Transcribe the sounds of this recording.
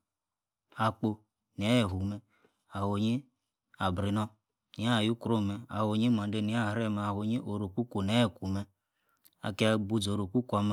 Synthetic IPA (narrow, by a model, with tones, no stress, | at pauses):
a˨k͡po˨ | n˨e˦e˨ɦu˨me˨ | a˨ho˨ɲi˦ | a˨bɾi˨nɔ˦ | ni˨˦a˦˨ju˦ku˨ɾo˦˨me˨a˨ho˨˦ɲi˦m˨a˨˦de˦ni˨˦a˦˨ɾe˦˨me˨a˨ɦo˨ɲi˦ʔo˨ɾo˨ku˦ko˨n˨e˦˨ku˨me˨ | a̰˨ke˦a˨bu˨˦d͡zo˨ɾo˨ku˦ku˦a˨m˦